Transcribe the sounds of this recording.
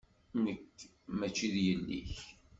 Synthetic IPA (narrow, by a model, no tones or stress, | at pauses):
nəkː | mæt͡ʃːiðjənːḭç